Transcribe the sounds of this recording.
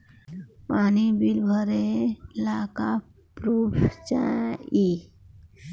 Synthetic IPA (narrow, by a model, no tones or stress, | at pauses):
paːnibilbʱəɾelaːka | pɾuːpʰt͡ʃã̰i